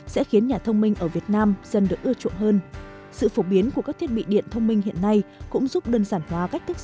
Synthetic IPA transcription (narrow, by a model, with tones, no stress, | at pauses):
sɛ̰˧˥xi˨˦ənɲaː˨˩t̪ʰə˧wŋ͡mmï˧ŋ̟ʔəː˧˩vi˨˩ət̚naː˧mzə˨˩nɗɨ˨˩ək̚ʔɨ˧ət͡ɕṵ˧˨nɦəː˧n | sɨ̰˧˨fo˧˩ɓi˨˦ənku˧˩kaː˦˥kt̪ʰi˦˥t̚ɓḭ˧˨ɗḭ˧˨ənt̪ʰə˧wŋ͡mmï˧ŋ̟hḭ˧˨ənːa˧jkʊ̰˧˥ŋ͡mzu˦˥p̚ɗəː˧nsaː˧˩nhwaː˨˦ka˦˥jk̚t̪ʰɨ˦˥k̚